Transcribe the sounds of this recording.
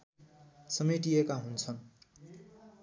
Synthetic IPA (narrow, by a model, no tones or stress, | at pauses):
sʌmiʈijekaɦunt͡sʰʌn